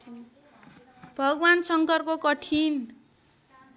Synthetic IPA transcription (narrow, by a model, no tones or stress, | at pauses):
bʱʌɡwansʌŋkʌrkokʌʈʰin